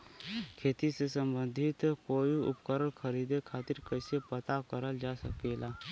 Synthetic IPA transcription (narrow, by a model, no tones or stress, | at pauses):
kʰeːt̪isesə̃mbə̃nd̪ʱɪt̪koːiʊ̰pkəɾəɽkʰəɾiːd̪ekʰaːt̪ɪɾkɛːsepət̪akəɾəld͡ʒaːsəkelaː